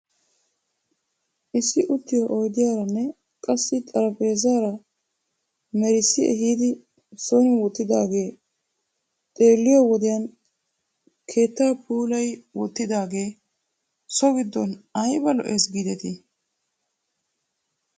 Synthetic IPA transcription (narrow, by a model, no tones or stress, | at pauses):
ʔɪsɪʔʊt̪ːɪjɔʔɔjd̪ɪjaːɾɐnːɛ | kʼɐsːɪt̪ʼɐɾɐpʼe̞ːzaːɾɐ | mɛɾɪsɪɛ̰ɦiːd̪ɪ | sɔnɔwɔt̪ːɪd̪aːɡe̞ː | t̪ʼe̞ːlːɪjɔwɔd̪ɪjan | kʰe̞ːt̪ːaːpʰuːlɐjwɔt̪ːɪd̪aːɡe̞ː | sɔɡɪd̪ːɔnɐjbɐlɔ̰ʔesɡiːd̪ɛt̪ɪ